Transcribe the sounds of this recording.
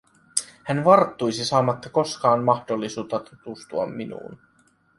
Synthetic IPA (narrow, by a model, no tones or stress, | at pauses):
hænʋɑrt̪ːujsisɑːmɑt̪ːɑko̞skɑːnmɑxdo̞lːisuːt̪ːɑt̪ut̪ust̪uɑmːinṵːn